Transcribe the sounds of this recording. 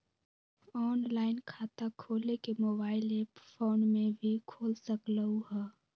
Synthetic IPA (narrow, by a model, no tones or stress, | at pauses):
ɔːnlaːɪnkʰaːt̪akʰoːlekemoːbaːɪleːpfoːnmẽbʱikʰoːlsəkləuɦɛː